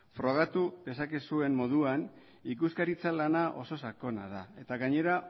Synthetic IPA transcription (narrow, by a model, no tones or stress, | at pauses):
fɾo̞ɣ̞at̪uðe̞sakesue̞mmo̞ðuan | ikuskaɾit͡salanaʔo̞so̞sako̞na̰ðae̞t̪aɣaɲe̞ɾa